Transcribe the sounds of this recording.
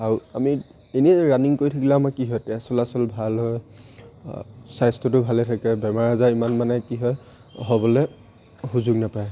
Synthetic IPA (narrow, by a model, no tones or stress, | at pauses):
aɹua̰mi | enɛɹaniŋkoɹitʰikilaamakiɦɔjtɛsɔlasɔlbʱalɦɔj | sajstɔtʊbʱalɛtʰakɛbɛmaɹazaimanmanɛkiɦɔj | ɦɔbɔlɛ | huzuɡnapaj